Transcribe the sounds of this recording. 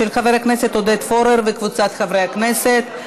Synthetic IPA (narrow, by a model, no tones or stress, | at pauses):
elχaveʁeakne̞se̞t̪hod̪et̪fo̞ɾeʁvekvut͡sat̪χavʁejakneset̪